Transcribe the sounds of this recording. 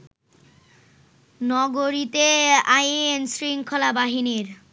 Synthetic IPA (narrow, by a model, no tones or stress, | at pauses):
nɔɡoɾit̪eajensɾiŋkʰɔlabaɦiniɾ